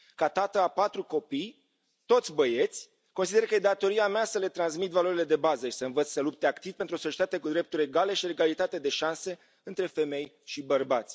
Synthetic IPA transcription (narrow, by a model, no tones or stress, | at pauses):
kat̪at̪əapat̪ɾuko̞pij | t̪o̞t̪sʲbəje̞t̪sʲ | kons̬id̪e̞ɾkəjed̪at̪o̞ɾiameasəle̞t̪ɾansmit̪valo̞ɾile̞d̪e̞bazəʃi̥səɨnvət̪sʲsəlup̚t̪eakt̪iv̥pent̪ɾosot͡ʃet̪at̪ekud̪ɾe̞p̚t̪uɾʲe̞ɡale̞ʃileɡalit̪at̪e̞d̪e̞ʃanse̞ | ɨnt̪ɾe̞fe̞me̞j | ʃibərbat̪sʲ